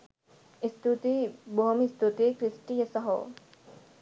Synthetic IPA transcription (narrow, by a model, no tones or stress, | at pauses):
ist̪ut̪iboɦmist̪ut̪ekɾisʈijesɐɦo̰